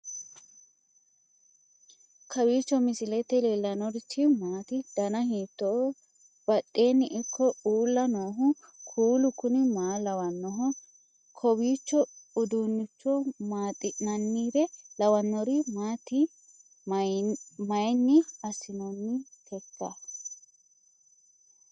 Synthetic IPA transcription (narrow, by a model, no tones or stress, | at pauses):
kʰɐwiːt͡ʃːɔmɪsɪlɛt̪ːɛleːlːɐnɔɾɪt͡ʃʰːɪmaːt̪ɪd̪̥ɐnɐhiːt̪ːɔ | b̥ɐtʼːe̞ːnːɪʔɪkʰːɔuːlːɐnoːɦʊ | kʰuːlʊkʊnɪmaːlɐwɐnːɔɦɔ | kʰɔbiːt͡ʃːɔʊd̪unːɪt͡ʃːɔmaːt̪ʼːɪʔnɐnːiːɾɛlɐwɐnːɔɾɪmaːt̪ɪ | mɐjnːɪɐsɪnɔnːɪt̪ʰɛkːɐ